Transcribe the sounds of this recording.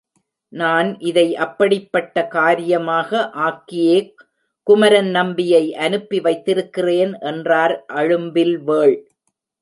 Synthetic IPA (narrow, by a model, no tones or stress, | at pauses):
naːnʔɪðɐɪʔɐpːɐɽɪpːɐʈːɐkaːɾɪjɐmaːɣɐʔaːkːɪjeː | kːʊmɐɾɐnnɐmbɪjɐɪʔɐnɯpːiʋɐɪt̪ːɪɾɯkːɪreːnʔɛndraːɾʔɐɻɯmbɪlʋeːɭ